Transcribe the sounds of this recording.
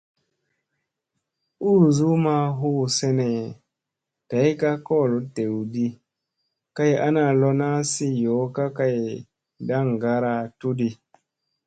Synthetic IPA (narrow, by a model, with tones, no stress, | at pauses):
uː˦˨zu˦ma˦ɦu˦˨se˦ne˨ | ta˨jka˦kɔ˦˨lu˨te˨wdi˦ | ka˦ja˦na˨lɔ˦na˦si˦jo˨˦ka˦ka˦j | da˦ŋɡa˦ɾa˧tu˦di˨